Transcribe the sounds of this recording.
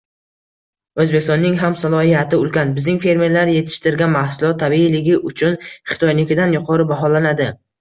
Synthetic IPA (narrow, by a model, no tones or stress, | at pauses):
ɵzbekʲɪst̪ɒnːɪŋɦamsalˠɒhijat̪ʰɪʊlˠkʲanbɪznɪŋfe̞ɾme̞ɾlaɾje̞t̪ʰɪ̥ʃt̪ɪɾɡʲanmahsʊlˠɒt̪ʰːabiːlɪɡʲɪʔʊt͡ʃʰʊnχɪ̥t̪ʰɒjnɪkʲɪd̪anjʊqʰɒɾɪbaɦɒlanad̪ɪ